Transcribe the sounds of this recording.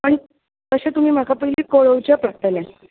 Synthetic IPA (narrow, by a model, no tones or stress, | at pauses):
pəɳ | k̪əɕẽt̪um̤iːm̤akʰapəɦiliːkoɭəʋt͡ɕəpɾək̚t̪əna